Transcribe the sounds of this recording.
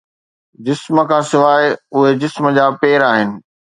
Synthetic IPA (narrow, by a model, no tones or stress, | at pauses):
d͡ʑɪsmə̆kʰãːsɪʋaːɪʊɦed͡ʑɪsmə̆d͡ʑaːpeːɾaːɦɪnɪ̆